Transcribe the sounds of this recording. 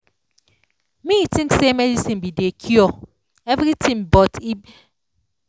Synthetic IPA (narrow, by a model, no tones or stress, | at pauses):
mitĩŋksemedisinbidekʰjɔ | evɾitimbɔti